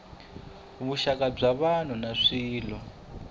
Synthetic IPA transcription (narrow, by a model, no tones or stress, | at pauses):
βuʃakab͡ʐaβan̤unaʂiːlɔ